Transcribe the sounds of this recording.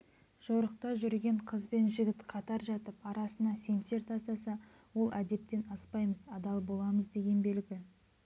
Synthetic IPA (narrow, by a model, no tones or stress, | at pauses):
ʒ̥oɾəq̚t̪ɑʒʏɾɡʲe̞ɴqʰəzbe̞nʒɪɡʲɪt̪qʰɑt̪ɑɾʒɑt̪əpɑɾɑsənɑse̞mse̞ɾt̪ʰɑst̪ɑsɑ | wo̞lˠʔæd̪e̞p̚t̪e̞nɑspɑjməzɑd̪ɑlˠbo̞lˠɑməzd̪e̞ɡʲe̞nbe̞lɡʲɪ